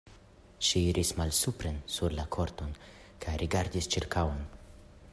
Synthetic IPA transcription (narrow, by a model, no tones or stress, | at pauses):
ʃiiɾʔismalsupɾensuɾlakʰo̞ɾto̞n | kajɾʔiɡaɾdist͡ʃiɾkawon